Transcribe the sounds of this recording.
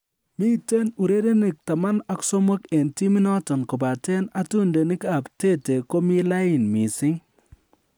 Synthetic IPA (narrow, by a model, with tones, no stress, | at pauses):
mi˦te˦nu˨ɾe˦de˦ni˨k̚ta˨ma˦na˦ku̥˦so˦mo˦ke˨nti˦mɪ˦nɔ˦tɔ˨nko˨ba˨te˦na˦tu˦nde˨nɪ˦ka˨pte˦te˨ko˦mi˦la˦ɪ˨nmi˨sɪ˦ŋ